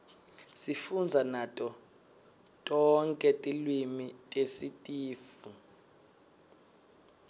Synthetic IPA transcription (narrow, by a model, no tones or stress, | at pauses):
sifund͡zʱanatʼɔ | tʼɔŋkʼɛtʼilwimitʼesitʼiːfu